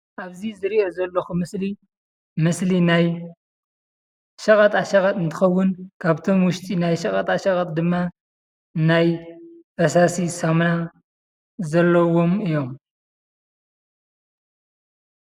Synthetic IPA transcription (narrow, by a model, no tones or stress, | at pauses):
ʔaβzizɨɾiʔo̞zɐlːɐxumɨsli | mɨslinaj | ʃɐkʼɐt̪ʼaʃɐkʼɐt̪ʼɨnt̪ʰɨ̥xɐwːʊnkʰaβt̪ʰo̞mwʊʃt̪ʼinajʃɐkʼɐt̪ʼaʃɐkʼɐt̪̚ʼd̪ɨmːa | najfɐsasisɐmna | zɐlːɐwo̞mɨjo̞m